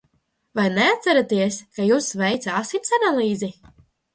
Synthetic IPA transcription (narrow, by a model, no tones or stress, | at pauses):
vajneat̪sæɾat̪iɛskajuːsvɛjt̪saːsinsanalˠiːzi